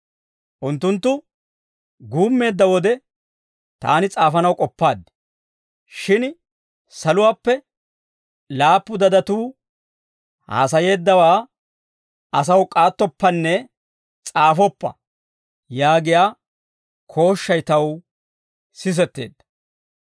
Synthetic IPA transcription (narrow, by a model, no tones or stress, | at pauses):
ʔʊnt̪ːʊnt̪ːʊ | ɡuːmːe̞ːd̪ːɐwɔd̪ɛ | t̪a̰ːnɪt͡sʼaːfɐnɐwkʼɔpːaːd̪ːɪ̥ | ʃɪn | sɐlʊwaːpːɛ | laːpːʊd̪ɐd̪ɐt̪uː | ha̰ːs̬ɐje̞ːd̪ːɐwaː | ɐs̬ɐwkʼaːt̪ːɔpːɐnːɛ | t͡sʼaːfɔpːɐ̰ | jaːɡɪjaː | kʰo̞ːʃːɐjt̪ɐw | sɪs̬ɛt̪ːe̞̰ːd̪ːɐ̥